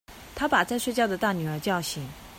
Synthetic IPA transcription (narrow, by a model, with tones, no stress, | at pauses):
t̪ʰa˥pa˨˩t͡sa˥˧ɪʂwe˥˧ɪt͡ɕjɑ˥˩ʊd̪ə˩t̪a˥˩ny˨˩ə˞˧˥t͡ɕjɑ˥˧ʊɕi˧˩˥ŋ